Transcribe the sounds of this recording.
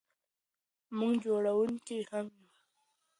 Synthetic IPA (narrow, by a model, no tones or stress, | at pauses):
mʊŋɡd͡ʒoɽawʊŋkehamju